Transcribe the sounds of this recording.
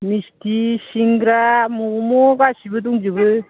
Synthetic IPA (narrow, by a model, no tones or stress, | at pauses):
mistʰisiŋɡɾamɔmɔɡasibɯduŋd͡ʒɯbɯ